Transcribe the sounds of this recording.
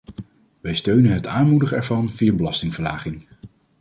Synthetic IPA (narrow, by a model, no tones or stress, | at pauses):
ʋɛjstøɥnənɦətaːnmudəχəɛɹvɑnvijabəlɑstɪŋvəɹlaːχɪŋ